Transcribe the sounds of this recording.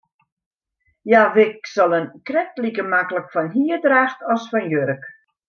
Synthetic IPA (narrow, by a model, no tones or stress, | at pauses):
jaʋɪk̚sɔlˠənkrɛktlikəmakləkfɔnɦiədraːxtʰɔsfɔnjøɾək